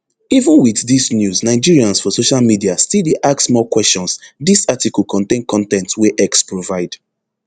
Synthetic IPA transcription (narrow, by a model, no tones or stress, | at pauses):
ivə̃nwiθðisnjusnaɪd͡ʒiɹiãnsfɔsoʃalmidiastildeʔaksmɔkwɛst͡ʃɔ̃nsdisatikɔlˠkʰɔ̃ntẽnkʰɔ̃ntɛ̃ntweʔɛkspɹovaɪd̥